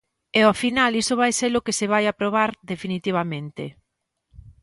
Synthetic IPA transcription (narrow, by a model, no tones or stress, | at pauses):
ɛofinalisʊβajseɾʊkeseβ̞ajapɾoβaɾðefinit̪iβ̞amẽnt̪ḛ